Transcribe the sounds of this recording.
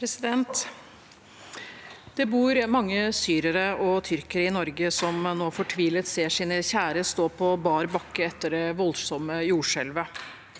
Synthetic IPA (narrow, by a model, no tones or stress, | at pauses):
ɾɛsɪd̪ɛnt̪ | d̪̥ɛbuːɾmɑŋːəsyːɾəɾəɔt̪ʰʏɾkəɾəɪnɔɾɡəsɔmnoːfɔʈʰʋiːlət̪seːʂiːnəçæːɾəst̪oːpʰɔbɑːɾbɑkːəɛt̪ːəɖɛʋɔlsɔməjuːʂɛlʋə